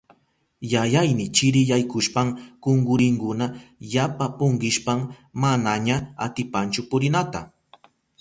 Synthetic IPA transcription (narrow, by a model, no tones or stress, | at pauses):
jajajnɪt͡ʃɪɾɪjajkʊʃpaŋkʊŋɡʊɾɪŋkʊnajapapʊɴɢɪʃpammanaɲaa̰t̪ɪpant͡ʃʊpʊɾɪnat̪a̰